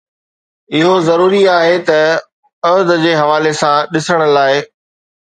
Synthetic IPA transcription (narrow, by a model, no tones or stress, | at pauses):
ɪɦozɐɾuːɾiaːɦet̪ɐ | ɐd̪d͡ʑeːɦɐʋaːlesãɗɪsəɽ̃ə̆laːɪ